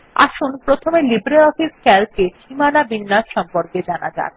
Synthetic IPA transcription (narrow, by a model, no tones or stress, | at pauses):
a̰ʃunpɾot̪ʰomelibɾeɔfiskɛlkeʃimanabinːaʃʃɔmpoɾked͡ʑana̰d͡ʑa̰n